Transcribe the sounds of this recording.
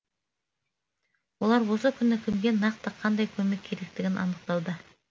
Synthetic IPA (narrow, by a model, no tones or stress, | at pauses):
wo̞lˠɑɾwo̞səkʲʰʏnɪkʲʰʏmɡʲe̞nɑq̚t̪əqʰɑnd̪ɑjkʲʰɵme̞kʲʰːe̞ɾe̞k̚t̪ɪɡʲɪnʔɑ̰nəq̚t̪ɑlˠd̪ə